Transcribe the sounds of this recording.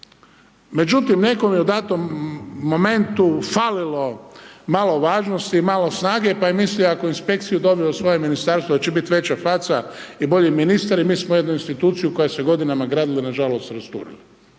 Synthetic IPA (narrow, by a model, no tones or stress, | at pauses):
me̞d͡ʒut̪imne̞komjeud̪aːt̪omːo̞me̞nt̪ufalilo̞maːloʋaːʒnost̪iːmaːlosnaːɡe̞paimisliakoinspe̞kt̪sijud̪o̞biosʋo̞jeminist̪aːɾst̪ʋod̪at͡ɕebit̪ʋe̞t͡ɕafɾat̪saibo̞ʎiminist̪aɾimiːsmoje̞d̪nuinst̪it̪uːt̪sijuko̞jaseɡo̞d̪inamaɡɾaːd̪ilinaʒalo̞st̪ɾast̪ṵːɾḭli